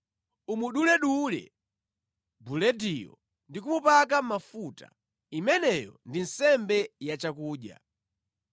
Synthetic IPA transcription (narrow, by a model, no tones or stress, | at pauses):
umuɗulɛɗulɛ̰ | bulɛdijɔ̰ | ndik̬umupakam̩mafuta̰ | imɛnɛjɔ̰ndin̩sɛmbɛjat͡ʃakuːɗja̰